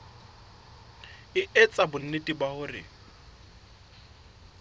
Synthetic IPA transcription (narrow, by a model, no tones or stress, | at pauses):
ɪʔɛt͡sʼabʊn̩netʼibahʊrɪ̰